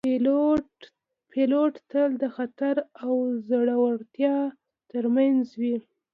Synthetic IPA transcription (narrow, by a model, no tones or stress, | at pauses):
pʰeloʈt̪əld̪əxat̪aɾawzəɽawaɽt̪jɑ | t̪əɾmanzwi